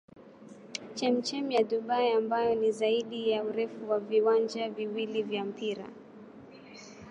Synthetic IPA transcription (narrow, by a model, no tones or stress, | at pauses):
t͡ʃɛm̩t͡ʃɛmjaɗuɓaiambajɔnizaiɗijauɾɛfuwaviwand͡ʒaviwilivjam̩piɾa̰